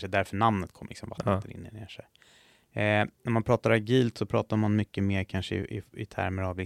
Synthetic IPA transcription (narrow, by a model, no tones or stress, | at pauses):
ʂɛd̪æɾfœɳamnət̪kʰɔmːlɪ̰ksɔmvat̪ʰːənɪ̰nːənḛːʂɛj | næɾmanpʰɾɑːt̪aɾaɡiːlt̪sɔpʰɾɑːt̪aɾmanmʏkːəmeːɾkʰanʂəɪ̰ɪ̰ɪt̪ʰæ̰ɾməɾavlɪ